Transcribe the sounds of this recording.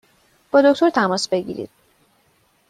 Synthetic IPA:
b̥ɒːd̪o̞kʰt̪ʰoɾt̪ʰæmɒːsbe̞ɟḭɾḭd̪̥

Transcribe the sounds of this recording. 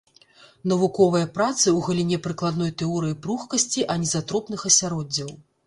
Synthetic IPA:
nɐvukɔvɐjɐpɾat̪sɨwɣɐlʲinʲɛpɾɨklˠad̪nɔjt̪ɛɔɾɨjipɾuxkɐsʲt͡sʲiʔɐnʲɛzat̪ɾɔpnɨxɐsʲaɾɔd͡zʲːɐw

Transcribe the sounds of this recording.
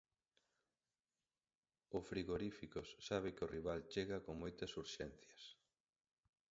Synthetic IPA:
ʊsfɾiɣoɾifikosːaβ̞ɪkɪoriβ̞alt͡ʃeɣɐkoŋmojt̪ɐsuɾʃɛn̟θjɐs

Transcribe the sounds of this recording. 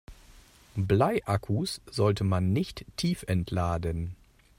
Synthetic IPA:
blaɪʔakʰusz̥ɔltʰəmanːɪçtːʰiːfʔɛntʰlaːdən

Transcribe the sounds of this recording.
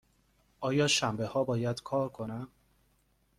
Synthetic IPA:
ʔɒːjɒːʃæmbe̞hɒːbɒːjæd̪kʰɒːɾkʰo̞næm

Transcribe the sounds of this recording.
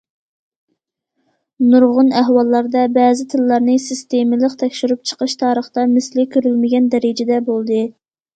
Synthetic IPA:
nuɾʁʊnæɦwɑlˠːɑɾd̪ɛbɛːzɪt̪ʰɨlːɑɾnɨsɪst̪emɪlˠəqt̪ʰɛkʲʃyɾyp̚t͡ʃʰə̥qəʃt̪ʰɑːɾəχt̪ɑmɪslɪkʲʰøɾylmɪɡʲɛnd̪ɛɾɪd͡ʒɛd̪ɛbolˠd̪ɨ

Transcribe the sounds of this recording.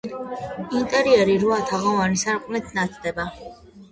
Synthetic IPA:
int̪ʼɛɾiɛɾiɾuat̪ʰaʁɔvanisaɾqʼnɛt̪ʰnat̪sʰʼd̪ɛba

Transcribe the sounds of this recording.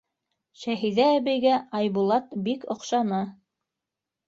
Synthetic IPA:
ʃæɦiðæːβɘjɡæɑjβulˠɑt̪bikŏqʃɑnɤ

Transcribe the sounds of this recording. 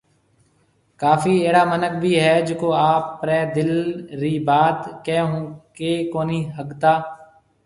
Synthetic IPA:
kaːfiːeːɽaːmənək̚bʱiːɦɛːd͡ʒʊkoːaːpːɾɛːd̪ɪlɾiːbaːd̪kɛːɦũːkeːkoːniːɦəɡt̪aː

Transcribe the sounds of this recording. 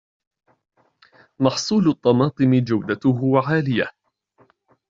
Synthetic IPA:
mɑħsˤuːlʊt̪ˤːɑmɑːt̪ˤɨmɪd͡ʒawd̪at̪ʊɦʊwaʕaːlɪja

